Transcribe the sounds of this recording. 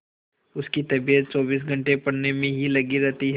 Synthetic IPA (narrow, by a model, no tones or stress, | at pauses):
ʊskit̪ɐbijət̪̚t͡ʃɔːbiːs̬ɡʱɐ̃ɳʈepɐɽnemẽɦilɐɡiɾɛɦt̪iɦ